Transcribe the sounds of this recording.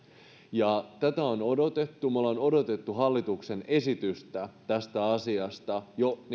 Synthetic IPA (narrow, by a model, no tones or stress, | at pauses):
jɑt̪æt̪æo̞no̞do̞t̪e̞t̪ːumulːɑono̞do̞t̪e̞t̪ːuɦɑlːit̪ukse̞ne̞sit̪yst̪æt̪æst̪æɑsiɑst̪ɑjo̞n